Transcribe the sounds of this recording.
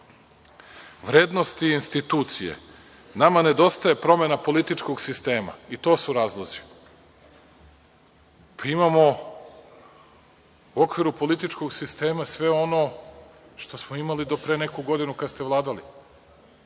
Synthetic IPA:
ʋɾeːd̪no̞st̪iinst̪it̪uːt̪sijḛ | namane̞d̪o̞st̪aje̞pɾo̞me̞napo̞lit̪it͡ʃko̞ɡsist̪e̞ːma̰it̪o̞ːsuɾaːzlˠozi̥ | pʰaimamo̞ | uo̞kʋiɾupo̞lit̪it͡ʃko̞ɡsist̪e̞ːmasʋe̞o̞no̞ | ʃt̪o̞smoimalid̪o̞pɾene̞kuɡo̞d̪inukad̪st̪eʋlˠaːd̪ali

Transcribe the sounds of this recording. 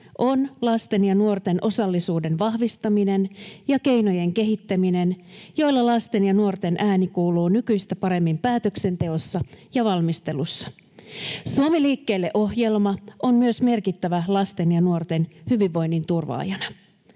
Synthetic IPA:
ʔo̞nlɑst̪e̞njɑnuort̪e̞nʔo̞sɑlːisuːde̞nʋɑhʋist̪ɑmine̞njɑke̞jno̞je̞ŋke̞ɦit̪ːæmine̞njo̞jlːɑlɑst̪e̞njɑnuo̞rt̪e̞nʔæːnikuːluːnykyjst̪æpɑɾe̞mːimpæːt̪ø̞kse̞nt̪e̞o̞sːɑjɑʋɑlmist̪e̞lusːɑ̥ | suomiliːkːe̞ːlːe̞ʔo̞hje̞lmɑʔonmyøsme̞rkit̪ːæʋælɑst̪e̞njɑnuo̞rt̪e̞nhyʋiʋːo̞jnːint̪urʋɑ̰ːjɑnɑ

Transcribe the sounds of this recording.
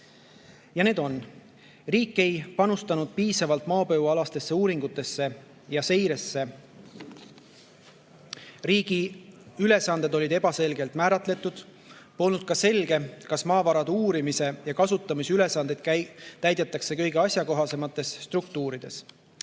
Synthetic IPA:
jɑne̞ːd̪o̞n | riːkːˑe̞jpɑnust̪ɑnud̪̥̚piːsɑvɑlt̪ˑmɑːpø̞vɑlɑst̪e̞sːe̞uːɾiŋɡ̥ut̪ːˑe̞sːe̞ | jɑse̞jɾe̞sːe̞ | riːɡiyle̞sɑnd̪e̞d̪o̞lʲid̪e̞bɑse̞lɡe̞lt̪mæːɾɑt̪ˑle̞t̪ːˑud̪̥ | po̞lnud̪̥̚kɑse̞lɡ̥e̞kɑsmɑːvɑɾɑd̪uːɾimise̞jɑkɑsut̪ːˑɑmisyle̞sɑnd̪ed̪̥kt̪æjd̪̥et̪ːˑɑkse̞kɤjɡe̞ɑsʲjɑko̞ɦɑse̞mɑt̪ːˑe̞sːt̪rukt̪uːɾid̪̥e̞s

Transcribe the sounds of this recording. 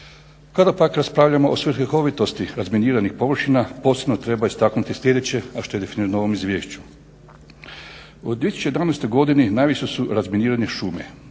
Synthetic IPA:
kad̪apakɾaspɾaːʋʎamo̞ʔosʋr̩eko̞ʋit̪ost̪iɾazminiːɾanixpo̞ʋr̩ʃinapo̞sebnot̪ɾe̞baist̪aknut̪isʎʲe̞d̪e̞t͡ɕe̞aʃt̪o̞je̞d̪efiniːɾano̞ʋo̞mizʋʲje̞ːʃt͡ɕu̥ | od̪ːjieisut͡ʃt͡ɕeed̪anajst̪o̞jɡo̞d̪ininaːjʋiʃesuɾazminiːɾaɲeʃuːmḛ

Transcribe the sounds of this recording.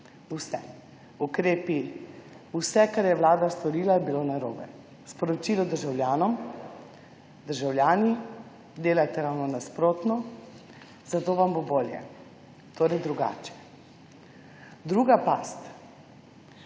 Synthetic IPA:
usɛ | ukɾeːpi | usɛkaɾjɛʋlaːd̪ast̪ɔɾiːlabilonaɾoːbɛ̰ | spɔɾɔt͡ʃilɔd̪əɾʒawljaːnɔm | d̪əɾʒawljaːni | d̪eːlajt̪ɛɾawnɔnaspɾoːt̪nɔ | zat̪oːʋamboboːljɛ̰ | t̪ʰoːɾɛjd̪ɾuɡa̰ːt͡ʃɛ̥ | d̪ɾuːɡapaːst̪

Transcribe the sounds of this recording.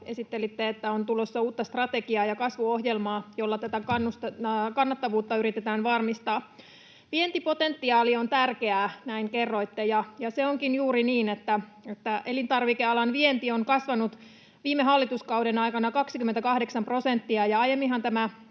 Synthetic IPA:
esit̪ːelit̪ːeet̪ːæont̪ulosːɑuːt̪ːɑst̪rɑt̪eɡiɑːjɑkɑsʋuohjelmɑːjolːɑt̪æt̪ækɑnːust̪kɑnːɑt̪ːɑʋuːt̪ːɑyɾit̪et̪æːnʋɑrmist̪ɑː | ʋient̪ipo̞t̪ent̪ːiɑːliont̪ærkeæːnæiŋkerːo̞it̪ːejɑjɑseoŋkinjuːɾiniːnet̪ːæet̪ːæʔelint̪ɑrʋikeɑlɑnʋient̪ioŋkɑsʋɑnut̪ | ʋiːmːeɦɑlːit̪uskɑudenɑikɑnɑkɑksikymːent̪ækɑhdeksɑmpro̞sent̪ːiɑjɑɑjemːiɦɑnt̪æmæ

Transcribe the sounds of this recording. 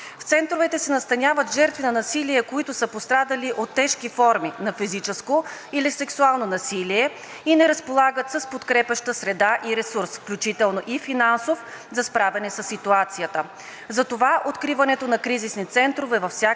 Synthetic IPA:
ft̪sɛnt̪ɾovɛt̪ɛsɛnɐst̪ɐnʲavət̪ʒɛɾt̪vinɐnɐsiliɛkoit̪ʊsəpost̪ɾad̪əliʔot̪ːɛʃkifɔɾminɐfizit͡ʃɛskoilisɛksualˠnonɐsiliɛ | inɛɾəspolˠaɡət̪səspot̪kɾɛpəʃt̪əsɾɛd̪aʔiɾɛsuɾsfklʲut͡ʃit̪ɛlˠnoʔifinansofzɐspɾavɛnɛsəsːit̪uat̪sijət̪ə | zɐt̪ovaʔot̪kɾivɐnɛt̪onɐkɾizisnit̪sɛnt̪ɾovɛvɐfsʲja

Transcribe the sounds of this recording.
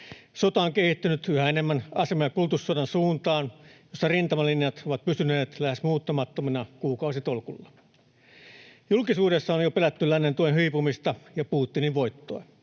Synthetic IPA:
sot̪ɑoŋkehit̪ːynyt̪yhæenemːænɑsemɑjɑkult̪usːodɑnsuːnt̪ɑːnjosːɑrint̪ɑmɑlinjɑt̪oʋɑt̪̚pysyneːt̪læhesmuːt̪ːɑmɑt̪ːominɑkuːkɑusit̪olkulːɑ̥ | julkisuːdesːɑonjopelæt̪ːylːænːent̪uenɦyipumist̪ɑjɑpuːt̪ːiniʋʋo̞it̪ːo̰i

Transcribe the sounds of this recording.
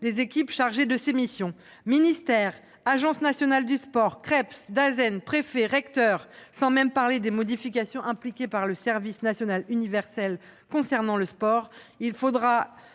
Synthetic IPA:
d̪ezekʲipʃaʁʒed̪əsemisjɔ̃ | minist̪ɛʁ | aʒɑ̃snasjɔnald̪yspɔʁkχɛpsd̪azɛnpχefeʁɛkt̪œʁsɑ̃mɛmpaʁled̪emɔd̪ifik̬ʲasjɔ̃ʔɛ̃plikʲepaʁləsɛʁvisnasjɔnalynivɛʁsɛl | kɔ̃sɛʁnɑ̃ləspɔʁilfod̪ʁa

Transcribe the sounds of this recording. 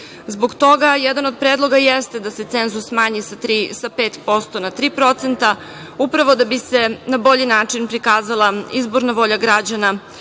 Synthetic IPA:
zboɡt̪o̞ɡajɛd̪anod̪̚pɾeːd̪lˠo̞ɡajest̪ed̪aset̪senzusmaːɲisɾisapeːt̪po̞st̪o̞nat̪ɾiːpɾo̞t̪se̞nt̪a | upɾaʋo̞d̪abisenabo̞ʎinaːt͡ʂinpɾikaːzalˠaizboɾnaʋo̞ʎaɡɾad͡ʑana

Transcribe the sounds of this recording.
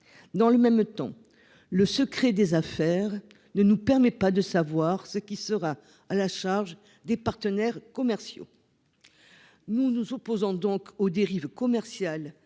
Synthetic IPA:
d̪ɑ̃ləmɛmt̪ɑ̰̃ | ləsəkχed̪ezafɛʁ | nənupɛʁmɛpad̪əsavwaʁsəkʲisəʁa | alaʃaʁʒ | d̪epaʁt̪ənɛʁkɔmɛʁsjo̰ | nunuzɔpozɔ̃d̪ɔ̃kod̪eʁivkɔmɛʁsjal

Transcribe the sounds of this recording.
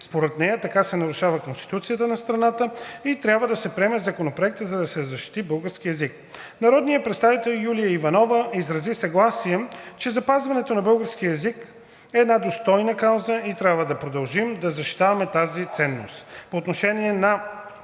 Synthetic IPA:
spoɾɛt̪nɛjət̪ɐkasɛnɐɾuʃavəkonst̪i̥t̪ut̪sijət̪ənɐst̪ɾɐnat̪əit̪ɾʲjabvəd̪ɐsɛpɾiɛmɛzɐkonopɾoɛk̚t̪əzɐd̪ɐsɛzɐʃt̪i̥t̪ibɤlˠɡəɾsk̟iɛzik̚ | nɐɾɔd̪nijəpɾɛt̪st̪avit̪ɛlˠjulijəivɐnɔvəizɾɐzisɐɡlˠasiɛt͡ʃɛzɐpazvɐnɛt̪onɐbɤlˠɡəɾsk̟iəɛzik | ɛːd̪nad̪ost̪ɔjnəkawzəit̪ɾʲabvəd̪ɐpɾod̪ɐlˠʒimd̪ɐzɐʃt̪i̥t̪avɐmɛt̪azit̪sɛnːo̰st̪poːt̪noʃɛniɛnɐ

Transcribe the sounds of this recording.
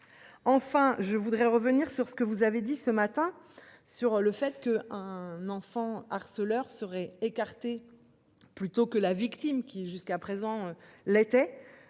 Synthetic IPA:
ɑ̃fɛ̃ʒəvud̪ʁɛʁəvəniʁsyʁsə̥kəvuzaved̪isəmat̪ɛ̃syʁləfɛt̪kəɛ̃nɑ̃fɑ̃aʁsəlœʁsəʁɛekaʁt̪e | plyt̪okəlavikt̪imkʲiʒyskapχezɑ̃ølet̪ɛ

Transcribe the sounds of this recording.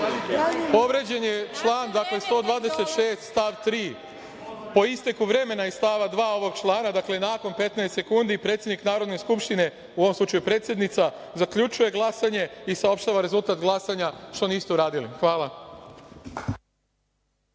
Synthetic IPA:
po̞ʋɾe̞d͡ʑe̞njet͡ʃlˠaːnd̪akle̞st̪o̞ːd̪ʋaːd̪e̞se̞t̪ʃe̞ːst̪st̪aʋt̪ɾiː | po̞ist̪ekuʋɾe̞me̞naist̪aʋad̪ʋaːo̞ʋo̞ɡt͡ʃlˠaːnad̪akle̞naːko̞npe̞t̪naest̪se̞kund̪ipɾet̪sʲjed̪niknaːɾo̞d̪ne̞skupʃt̪ine̞ | uoʋomslut͡ʃajupɾe̞ːt̪sjed̪nit̪sa | zakʎut͡ʃuje̞ɡlˠasaɲe̞isao̞pʃt̪aʋaɾe̞zulˠt̪aːt̪ɡlˠasaɲaʃt̪o̞niːst̪ɛuɾaːd̪ilḭxʋaːlˠa

